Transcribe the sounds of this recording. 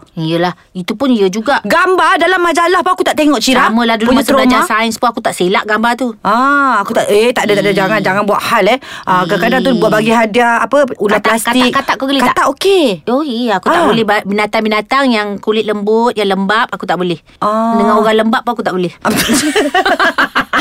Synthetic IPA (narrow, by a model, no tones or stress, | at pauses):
ijəlah | it̪upʊnijəd͡ʒuɡaʔɡambadalamːad͡ʒalahpaakut̪aʔt̪eŋɔʔt͡ʃiɾaməlahduuɲət̪ɾamd͡ʒasaənspunakut̪aʔselaʔɡambat̪uaakut̪aʔet̪aʔdat̪aʔdad͡ʒaŋand͡ʒaŋanbua̰ʔhalɛhakakadaŋt̪udibuaʔ̚baɡiɦadiaapəulat̪lastkat̪iak̚kat̪aʔkukəlikaaʔ̪aʔokeoiakut̪aʔbolɛhbabinat̪aŋbinat̪aŋjaŋkulɪt̪̚ləmbʊt̪̚jaŋləmbap̚akut̪aʔbolɛh | ɔnəŋãnoɣaləmbaʔpːaakut̪aʔbolɛhp